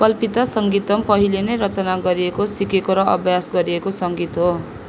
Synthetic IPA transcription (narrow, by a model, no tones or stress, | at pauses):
kʌlpit̪asʌŋɡit̪ʌmpʌɦilenʌjɾʌt͡sʌnaɡʌɾiekosikekoɾʌʔʌ̰bʱjasɡʌɾiekosʌŋɡit̪ɦo